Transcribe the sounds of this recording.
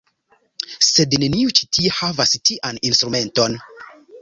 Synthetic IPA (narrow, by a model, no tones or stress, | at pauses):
se̞dne̞niut͡ʃi̥tʰiehavastiʔaninstɾume̞nto̞n